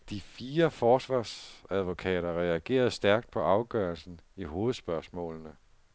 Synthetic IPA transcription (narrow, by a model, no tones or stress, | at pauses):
d̥ifiːɐfɒːsʋɑ̰̈ːsæð̞ˠʋo̝kʰɛ̰ːɾɐʁɛæɡ̥e̝̰ːɐð̞̩ˠsd̥æɐɡ̥̚d̥̚pʰɒ̽ʔɑ̈ʊɡ̥œɐlsn̩iɦo̝ːð̩ˠsb̥ɶɐsmɔ̰̽ːlnə